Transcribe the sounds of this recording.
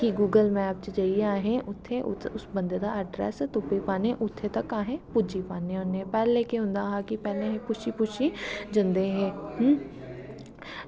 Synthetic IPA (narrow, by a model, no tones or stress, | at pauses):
kiɡuːɡəlmɛ̃ap̚t͡ʃd͡ʒəiaːɦɛ̃ʔʊt̪ʰːeʔʊ̰ʊsbə̃nd̪eːd̪aːəɖɾɛ̰ːst̪ʊpːipaːnẽʔʊt̪ʰːet̪əkaːɦẽpʊd͡ʒipaːnẽɦʊnepɛːlːeːkeɦʊ̃nd̪aːɦaːkipɛːlẽɦɛ̃pʊʃiːpʊʃid͡ʒənd̪eːɦɛ̃ːɦ